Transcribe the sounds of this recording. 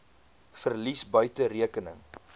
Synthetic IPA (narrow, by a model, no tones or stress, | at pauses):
fərlisbœɥtəɾiəkənə̰ŋ